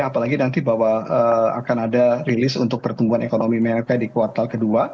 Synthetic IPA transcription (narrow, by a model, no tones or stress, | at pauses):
apalaɡinant̪ibawaəa̰kanadarilɪsṵnt̪ʊk̚pərt̪uŋɡuanekonomimɛrkadikuart̪alkədua